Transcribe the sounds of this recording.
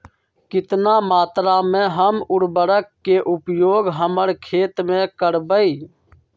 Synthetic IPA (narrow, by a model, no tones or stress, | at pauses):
kɪt̪naːmaːt̪ɾaːmẽːɦəmʊɽbəɽəkːeːʔʊpjoːɡɦəməɾkʰeːt̪mẽːkəɾbəiː